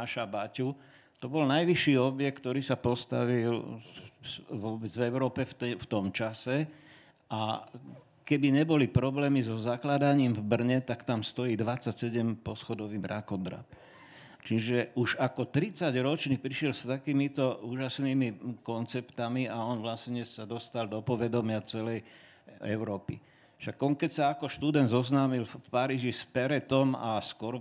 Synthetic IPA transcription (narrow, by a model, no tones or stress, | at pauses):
aʃabacu | t̪ɔbɔlnajʋiʃːiːɔbjɛkt̪ɔɾiːsapɔst̪a̰ʋil | ʋɔbɛd͡zvɛʊɾɔːpɛft̪ɛft̪ɔmt͡ʃasɛ | ʔa | kɛbiɲɛbɔlipɾɔblɛːmizɔzaklad̪aɲiːmvbr̩ɲɛt̪akt̪amst̪ɔjiːd̪ʋat͡sːacsɛɟɛmpɔsxɔd̪ɔʋiːbɾakɔd̪ɾa̰p̚ | t͡ʃiʒɛʔuʒakɔt̪ɾit͡saɟɾɔt͡ʃniːpɾiʃɪɛlst̪akiːmit̪ɔuːʒasniːmikɔnt͡sɛpt̪amiaɔnʋlasɲɛsad̪ɔst̪ald̪ɔpɔʋɛd̪ɔmɪat͡sɛlɛj | ɛ̰ʊɾɔːpḭ | ʃaɡɔŋkɛcsaakɔʃt̪ud̪ɛnd̪zɔznaːmilfpaɾiːʒispɛɾɛt̪ɔmaskʊɔɾ